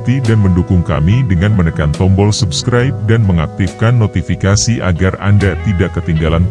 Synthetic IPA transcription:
t̪idanməndukʊŋka̰midəŋanmənəkant̪ɔmbɔlsubskɾajp̚danməŋak̚t̪ifkanːot̪ifikasiʔa̰ɡara̰ndat̪idaʔkət̪iŋɡalan

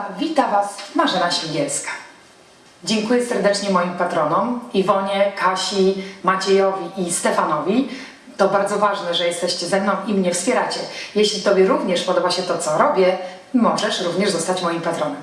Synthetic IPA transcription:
vʲit̪avasmaʐɛnaɕʲiɡʲɛlskḁ | d͡ʑɛŋkujɛsɛɾd̪ɛt͡ʂɲɛmɔjimpat̪ɾɔnɔmivɔɲɛkaɕimat͡ɕɛjɔvʲiʔist̪ɛfanɔvʲi | t̪ɔbaɾd̪zɔvaʐnɛʐɛjɛst̪ɛɕt͡ɕɛzɛmnɔ̃w̃ʔimɲɛfspʲjɛɾat͡ɕɛjɛɕlʲit̪ɔbʲjɛɾuvɲɛʂpɔd̪ɔbaɕɛt̪ɔt̪sɔɾɔbʲjɛ | mɔʐɛʂɾuvɲɛʐzɔst̪at͡ɕmɔjimpat̪ɾɔnɛm

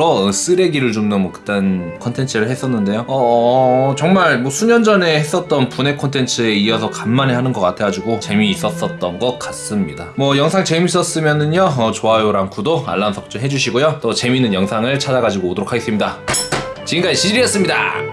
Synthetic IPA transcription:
ʌs͈ɯɾe̞ɡiɾɯɭt͡ɕomnɯnmwʌkɯ̥t͈ankʰʌntʰe̞nt͡ɕʰɯɾɯɭhe̞s͈ʌnːɯnde̞joʌ | t͡ɕʌŋmaɭmwʌsʰumʌnd͡ʑʌne̞hes͈ʌt̚t͈ʌnpune̞kʰontʰe̞nt͡ɕʰɯe̞iʌsʰʌkamːanehanɯnɡʌk͈atʰe̞ɡad͡ʑiɡot͡ɕe̞miːs͈ʌs͈ʌt̚t͈ʌnɡʌk̚k͈as͈ɯmɲḭdamwʌjʌŋsʰaŋt͡ɕe̞mis̬͈ʌs͈ɯmjʌnɯnjoʌt͡ɕoɦajoɾankʰudoa̰ɭːansʰʌk̚t͡ɕ͈oɦe̞d͡ʑuɕ̬ʰiɡojot͈ot͡ɕe̞minːɯnjʌŋsʰaŋɯɭt͡ɕʰad͡ʑaɡad͡ʑiɡoːdoɾokʰaɡe̞s͈ɯmɲida | t͡ɕiɯnkaiɕʰiɾiʌs͈ɯmɲida̰

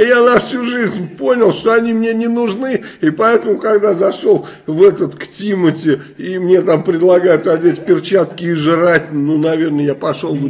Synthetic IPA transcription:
janɐfsʲuʐɨzʲnʲpo̞nʲɪlˠʂt̪oɐnʲimnʲenʲɪnʊʐnɨipɐɛt̪əmʊkɐɡd̪azɐʂolˠ | vɛt̪ət̪ktʲimətʲɪ | imnʲe̞t̪ampɾʲɪd̪lˠɐɡajʊt̪ɐdʲetʲpʲɪrt͡ɕat̪kʲɪːʐɨɾatʲnunɐvʲe̞rnəjapɐʂolˠ

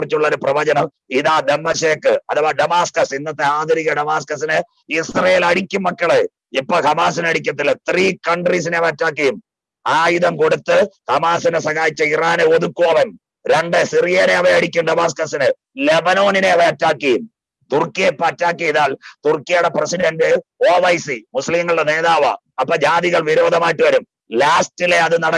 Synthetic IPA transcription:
rit͡ɕːuɭːɐoɾuprɐʋɐd͡ʑɐnɐm | iðaːd̪emːɐseːkːɨɐðɐʋɐːɖɐmaːskɐsinːɐt̪ːeaːd̪ɐɾiɣɐɖɐmaːskɐsinɨ | isrɐjelɐɽikʲːumːɐkːɐɭe | ipːɐːhɐmaːsinɐɽik̬ʲːɐt̪ːilt̪riːkɐɳɖris̬ineʋɐɐtːaːkːɐjum | aːjuðɐmko̞ɽut̪ːɨhɐmaːsinɨsɐɣaːjit͡ɕːɐiraːneoðukːuʋɐʋɐn | ɾe̞ɳɖɨsirijɐneɐʋɐjɐɽikʲːumɖɐbaːs̬kɐsinɨ | lebɐno̞ːnineɐʋɐɐtːaːkːɐjum | t̪urkːijepːɐtːaːkːiiðaːlt̪urkːijɐɽeprɐsiɽɐndɨoːʋɐjsimuslimŋːɐɭɨɽene̞ːðaːʋɐ̰ | ɐpːɐːd͡ʑaːðiɣɐɭʋiɾo̞ːd̪ʱɐmaːjiʈːɨʋɐɾum | laːstile̞ɐðɨnɐɽɐ

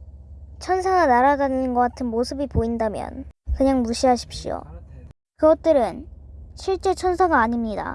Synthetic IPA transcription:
t͡ɕʰʌnsʰaɡanaɾadanɯnɯnɡʌk͈atʰɯnmosʰɯbipoindamjʌ̰nkɯɲaŋmuɕʰiɦaɕʰi̥p̚ɕ͈io̰ | kɯɡʌt̚t͈ɯɾɯnɕʰiɭt͡ɕ͈e̞t͡ɕʰʌnsʰaɡaːɲimɲida̰

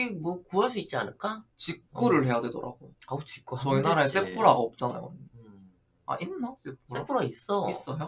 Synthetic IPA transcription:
imwʌkuaɭs̬͈uit̚t͡ɕ͈ia̰nɯɭk͈at͡ɕik͈ːuɾɯɭɦe̞jadwe̞do̰ɾa̰ɡ̥oaut͡ɕik͈ut͡ɕʌinaɾaes͈ep͈ʰːuɾaɡaʌp̚t͡ɕ͈ana̰jo̰ | a̰ʔinːas͈epʰos͈epʰuɾais͈ʌis͈ʌjo

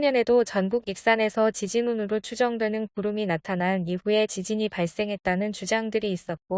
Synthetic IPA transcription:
ɲʌne̞dot͡ɕʌnɡuɡik̚s͈ane̞sʰʌt͡ɕid͡ʑinunɯɾot͡ɕʰud͡ʑʌŋdwe̞nɯnkuɾɯminatʰananiɸue̞t͡ɕid͡ʑiɲipaɭs͈e̞ŋɦe̞t̚t͈anɯnt͡ɕud͡ʑaŋdɯɾiːs͈ʌt̚k͈o

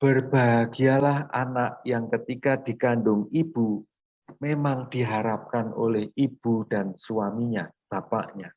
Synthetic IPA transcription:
b̥ərb̥aɡialaha̰naʔjaŋkət̪ikadikandʊŋib̥u | memaŋd̥iɦaɾap̚kanʔo̰lɛhib̥ud̥ansuwamiɲab̥apa̰ʔɲa

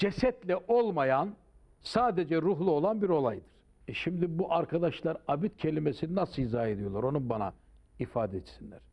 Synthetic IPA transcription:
d͡ʒesɛt̪lʲɛʔolˠmajan | saːd̪ed͡ʒɛɾuɦlˠuo̞lˠanbiɾo̞lˠajd̪ɯɾ̥ | ɛʃimd̪ibuʔaɾkʰad̪aʃlˠaɾabit̪̚cʰe̞lʲimesininasɯizaːe̞d̪ijo̞lˠaɾo̞nubana̰ | ifaːd̪ɛɛt̪sinlʲæ̰ɾ̥

